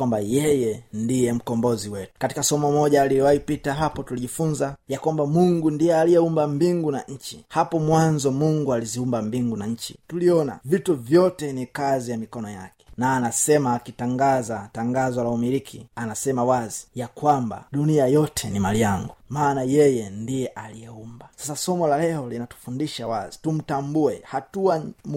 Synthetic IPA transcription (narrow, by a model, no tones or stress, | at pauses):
wambajɛjɛndijɛm̩kɔmbɔziwɛtu̥kati̥kasɔmɔmɔʄaːliiwaipitaɦapɔtuliʄifunzajakwambamuŋɡundijɛaliɛumbambiŋɡunaɲ̩t͡ʃihapɔmwanzɔmuŋɡualiziumbambiŋɡunaɲ̩t͡ʃḭtuliɔna̰vituvjɔtɛnikazijamikɔnɔjakɛ̥naːnasɛmaːkitaŋɡazataŋɡazwalaumiɾikʰḭanasɛmawazijakwamba̰ɗuniajɔtʰɛnimaliaŋɡumaːnajɛjɛndijɛʔalijɛumbasasasɔmɔlalɛɔlinatu̥fundiʃawazitum̩tambuɛhatuam